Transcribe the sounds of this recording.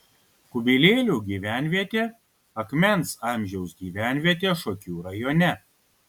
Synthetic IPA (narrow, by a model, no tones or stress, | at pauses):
kʊbʲilʲeːlʲuːɡʲiːʋʲæˑnʲʋʲiɛt̪ʲeː | ɐkmʲɛnˑsɑˑmʲʒʲɛʊsɡʲiːʋʲæːˑnʲʋʲiɛt̪ʲeːʃoːkʲuːɾɐjoːnʲɛ